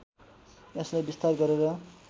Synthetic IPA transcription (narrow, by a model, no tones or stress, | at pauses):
eslajbist̪arɡʌɾeɾʌ